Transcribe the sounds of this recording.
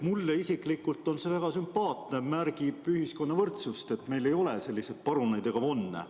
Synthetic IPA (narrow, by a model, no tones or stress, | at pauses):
mulːeisiklikːult̪ːˑo̞nse̞væɡ̥ɑsympɑːt̪nemærɡ̥ib̥yhisko̞nːɑvɤrt̪sust̪e̞t̪ːme̞jle̞jo̞lese̞lːised̪̥̚pɑɾunejd̪e̞ɡ̥ɑvo̞nːḛ